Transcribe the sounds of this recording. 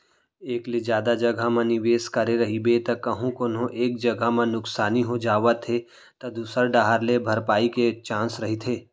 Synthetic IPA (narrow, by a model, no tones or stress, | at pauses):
eːklid͡ʒjaːd̪ad͡ʒɐɡʱamɐ̃nɪʋeːskɐɾeɾɐɦibet̪ɐkɐɦũkonɦõʔeːk̚d͡ʒɐɡʱamãnʊksaːniɦod͡ʒaːʋət̪ʰe | t̪ɐd̪uːsəɾɖaːɦəɾlebʱɐɾpaːiket͡ʃãːsɾɐɦit̪ʰeː